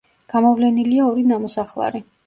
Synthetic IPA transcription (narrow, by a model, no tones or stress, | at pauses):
ɡ̥amɔvlɛniliaɔɾinamɔsaχlˠa̰ɾi